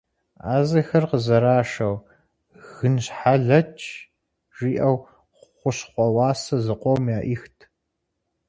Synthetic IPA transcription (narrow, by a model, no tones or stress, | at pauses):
aːzɐxɐrqəzɐɾaːʂɐw | ɣ̥ɨnɕħaɮɐt͡ʃʰ | ʒ̥iːʔɐw | χʷʊɕχʷɔwɑːsɐzɨqʷɔwmjaːʔixtʰ